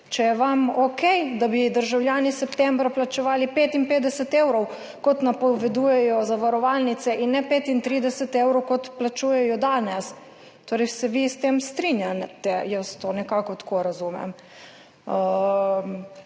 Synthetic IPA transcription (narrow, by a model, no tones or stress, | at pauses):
t͡ʃɛjɛʋamɔkɛjd̪abid̪əɾʒawljaːnisɛpt̪ɛmbɾaplat͡ʃɛʋaːlipeːt̪impeːd̪ɛsɛt̪ewɾɔw | kɔt̪napɔʋɛd̪uːjɛjɔzaʋaɾɔʋalnit̪sɛʔinːɛpeːt̪int̪ɾid̪ɛsɛt̪ewɾɔwkɔt̪plat͡ʃuːjɛjɔd̪aːnɛs | t̪oːɾɛjsɛʋist̪emst̪ɾinjat̪ɛjəst̪onɛkakɔt̪ḁkʰoɾazumɛ̰m | ə